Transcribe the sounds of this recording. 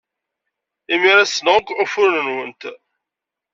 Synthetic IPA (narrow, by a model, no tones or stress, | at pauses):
imiɾæsənʁəkʷʊfʊɾnənwənt̪